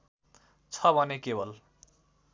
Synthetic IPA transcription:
t͡sʰʌbʱʌnekebʌl

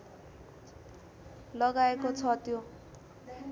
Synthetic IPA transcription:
lʌɡaekot͡sʰʌt̪jo

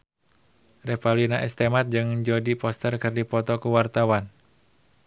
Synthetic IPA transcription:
rɛpalinaʔɛ̰st̪emat̪̚d͡ʒɨŋɲd͡ʒodipɔst̪ərkɨrdipɔt̪ɔkuwart̪awan

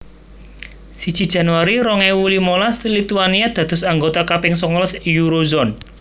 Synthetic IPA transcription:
sid̥ʒ̥i̤d̥ʒ̥ä̤nwaɾiɾɔŋɛwulimolast̪ilit̪uaniad̪̥ä̤d̪̥ʊ̤saŋɡot̪akapɪŋsɔŋɔləsjuɾozɔn

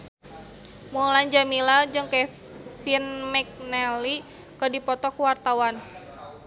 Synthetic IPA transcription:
muland͡ʒamilad͡ʒɨŋkɛ | finmɛk̚nɛli | kɔdipɔt̪ɔkwart̪awan

